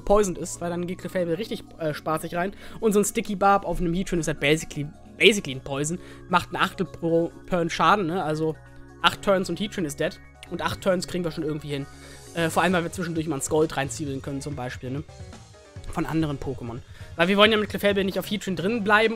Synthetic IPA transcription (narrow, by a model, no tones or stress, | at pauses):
pʰɔʏzn̩tɪstvaɪldanɡeːt̚kʰlɪfɛlbl̩ʁɪçtɪçʔɛːʃpaːtz̥ɪçʁaɪnʔʊntzoːnstɪkibaːpaʊfnəmhiːtʁinɪsat̚b̥ɛɪzɪkli | b̥ɛɪzɪkliɪnpʰɔʏzn̩ | maχtn̩ʔaχtl̩popʰœɐnʃaːdn̩nəʔalzo | ʔaχtʰːœɐnsʊnthiːtinɪstd̥ɛt | ʔʊntʔaχtʰːœɐnskʁ̥iːɡŋ̩viːɐʃoːnɪɐɡŋ̩tv̥iːhɪn | ʔɛːfoːɐaləmvaɪviːɐt͡sv̥ɪʃn̩dʊɐçmaɐnsɡ̥ɔltʁaɪnt͡siːbl̩nkʰœnən̩t͡sʊmbaɪʃpiːlnə | fɔnʔa̰ndəʁənpʰoːkəmɔnvaɪviːɐvɔlənjaːmɪt̚kʰl̥ɪfɛlbl̩nɪçtaʊfhiːtɹindʁɪnblaɪbm̩